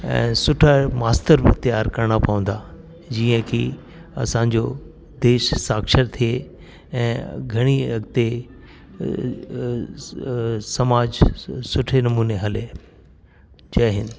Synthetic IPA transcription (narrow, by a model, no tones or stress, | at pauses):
ɛ̰̃ːsʊʈʰamaːst̪əɾbɪt̪ijaːɾkɐɾɽ̃apɐʋə̃nd̪aː | d͡ʑiːə̃kʰi | ɐ̰sãːɲ̆d͡ʑo | d̪eːʃsaːkʃəɾt̪ʰije | ɛ̃ːɡʱɐɽ̃iɾɐɡt̪e | sɐmaːd͡ʑsʊʈʰenɐmuːneɦɐle | t͡ɕɐɦɪnɪ̆